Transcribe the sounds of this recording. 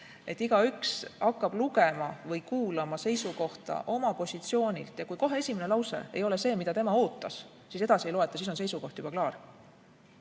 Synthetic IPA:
e̞t̪ːˑiɡ̥ɑyksɑkːˑɑb̥luɡe̞mɑvɤjkuːlɑmɑse̞jsuko̞ht̪ɑ̰ʔo̞mɑpo̞sʲit̪sio̞ːnʲḭlt̪jɑkujko̞ɦe̞esʲime̞ne̞lɑwse̞̰e̞jo̞le̞se̞ːmid̪ɑt̪e̞mɑo̞ːt̪ːˑɑs | siːse̞d̪̥ɑsiejlo̞e̞t̪ːˑɑsiːso̞nse̞jsuko̞ht̪jub̥ɑklɑːr

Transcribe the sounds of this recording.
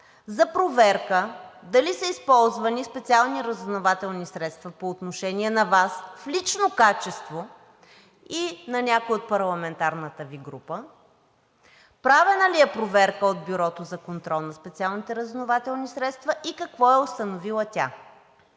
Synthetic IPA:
zɐpɾovɛɾkəd̪ɐlisəispɔlˠzvɐnispɛt̪sialˠniɾəzvnovat̪ɛlˠnisɾɛt̪st̪vɐpoːt̪noʃɛnʲiɛnɐvasflit͡ʃnokat͡ʃɛst̪vo | inɐnʲakojot̪̚pɐɾlˠɐmɛnt̪aɾnət̪əviɡɾupə | pɾavɛnəliɛpɾovɛɾkəod̪̚biɾɔt̪ozɐkont̪ɾɔlˠnɐspɛt̪sialˠnit̪ɛɾɐzvnovat̪ɛlˠnisɾɛt̪st̪vɐʔikɐkvɔɛost̪ɐnovilˠət̪ʲa̰

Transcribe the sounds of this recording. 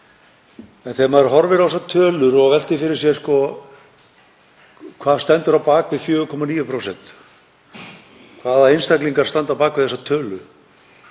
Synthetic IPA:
ɛnθɛːmaɛɾɦɔɾvɪɾas̬at̪ʰœːlʏɾɔɣvɛl̥t̪ɪfɪɾɪɾ̥sjɛskɔ | kʰvaːðst̪ɛnt̪ʏɾawpaːkvɪðfjʏːɣʏkʰɔmaniːjʏpʰɾosɛnt̪ | kʰvaːðaejnst̪akliŋkaɾ̥st̪ant̪awpaːkvɪðθɛsat̪ʰœːlʏ

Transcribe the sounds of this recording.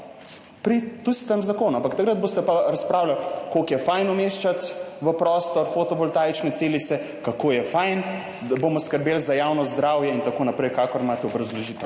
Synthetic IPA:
pɾit̪ust̪əmzakoːnuampakt̪akɾəd̪̚boːst̪ɛpaɾaspɾaːwlalkokjɛfajnɔmeːʃt͡ʃat̪ʋəpɾɔːst̪ɔɾfot̪ɔbɔlt̪aːjt͡ʃnɛt̪seːlit̪sɛ | kakoːjɛfajn | d̪aboːmɔskəɾbeːlzajaːwnɔzd̪ɾaːwjɛint̪akonapɾɛjkaːkɔɾmat̪ɛɔbɾɐzlɔʒiːt̪ɛ

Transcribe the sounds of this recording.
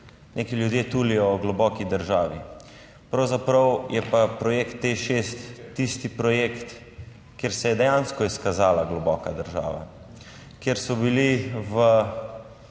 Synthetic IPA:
nʔekijljud̪jet̪uːlijɔɔɡlɔbɔkid̪əɾʒaːʋḭ | pɾɐwzapɾəwjɛpapɾɔjekt̪ːeʃest̪ːist̪ipɾɔjekt̪ | kjeːɾsɛjɛd̪ɛjanskɔiskazaːlaɡlɔbɔkad̪əɾʒa̰ːʋa̰ | kjeɾsɔbiliʋə

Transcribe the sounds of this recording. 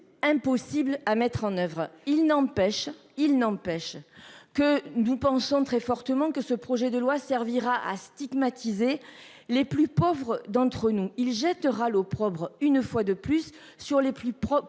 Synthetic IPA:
ɛ̃pɔsiblamɛt̪χɑ̃nœvʁilnɑ̃pɛʃ | ilnɑ̃pɛʃkənupɑ̃sɔ̃t̪χɛfɔʁt̪əmɑ̃kəsəpχɔʒɛd̪əlwasɛʁviʁaʔa̰st̪iɡmat̪ʰize | leplypɔvʁəd̪ɑ̃t̪χənuilʒɛt̪əʁalopχɔbʁynfwad̪əplysː | yʁleplypχɔ

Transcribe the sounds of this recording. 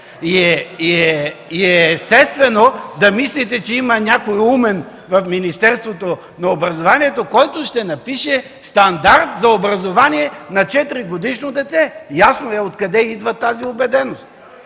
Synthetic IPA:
iɛiɛiɛːst̪ɛst̪vɛnod̪ɐmislit̪̬ɛt͡ʃɛimɐnʲakojumɛn | vɐfminist̪ɛɾst̪vot̪o | nɐobɾɐzovaniɛt̪okɔjt̪oʃt̪ɛnɐpiʃɛ | st̪ɐnd̪aɾt̪zɐobɾɐzovaniɛnɐt͡ʃɛt̪ɾiɡod̪iʃnod̪ɛt̪ɛjasnoɛot̪kɐd̪ɛid̪vɐt̪aziobɛd̪ɛnost̪

